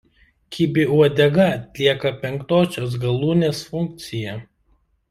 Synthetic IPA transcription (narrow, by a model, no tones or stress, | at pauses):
kʲibʲɪuɔd̪ʲɛɡɐɐt̪ʲlʲiɛkɐpʲɛŋkt̪oːsʲoːs̬ɡɐlˠuːnʲeːsfʊŋʲk̚t̪sʲɪjɛ